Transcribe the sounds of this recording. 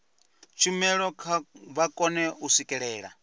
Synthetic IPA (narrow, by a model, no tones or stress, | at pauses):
t͡ʃʰimɛɺɔkʰaβakʼɔnɛusikʼɛɺɛːɺa̰